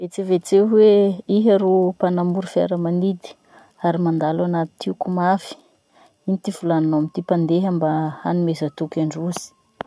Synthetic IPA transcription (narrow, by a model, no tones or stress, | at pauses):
vet͡sevet͡seweiɦaɾopanambuɾufa̰ɾəmanid̪i̥ | aɾimand̪alanat̪i̥t̪ʰiukumafi̥ | init̪ivulananamit̪ipand̪eɦambaanimezat̪ukaɳɖ͡ʐuz̥i̥